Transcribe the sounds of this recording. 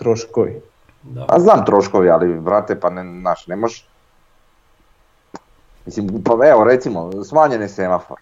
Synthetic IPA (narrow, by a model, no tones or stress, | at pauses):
t̪ɾoʃkoʋi | pa̰znaːmt̪ɾoʃkoʋialibɾat̪epannaːʃnemoʒ | mislimpaeʋoɾet̪simosmaːɲenesemafo̰ɾ